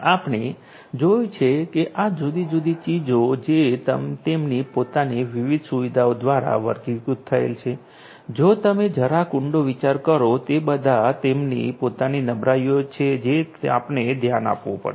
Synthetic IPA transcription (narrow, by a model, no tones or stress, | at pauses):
apne | d͡ʒojũt͡ʃʰekeʔad͡ʒud̪id͡ʒud̪it͡ʃid͡ʒod͡ʒet̪ə̰mt̪emnipot̪aniʋiʋid̪ʱsuʋid̪aod̪ʋaɾa̰ʋə̰ɾkikut̪ʰːəḛlt͡ʃʰe | d͡ʒot̪əmed͡ʒʱəɾakʊɳɖoʋit͡ʃaɾkəɾot̪ebəd̪ʱat̪emnḭpot̪aninəbɾajjot͡ʃʰed͡ʒea̰pned̪ʱjana̰pʋõ̰pə̰ɾe